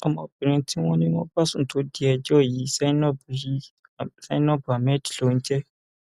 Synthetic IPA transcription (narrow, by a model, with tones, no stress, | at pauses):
ɔ˨mɔ̃˨bĩ˨ɾ̃ĩ˧ti˦w̃ɔ̃˦nĩ˦wɔ̃˦ba˦sũ˦˨to˨˦di˦ɛ˧d͡ʒɔ˦˨ji˨˦sɛ˦nɔ˦bu˨i˦˨ | sa˦nɔ˦bu˨a˨mɛ̃˦di̥˨o˨ñ̩˦d͡ʒɛ˦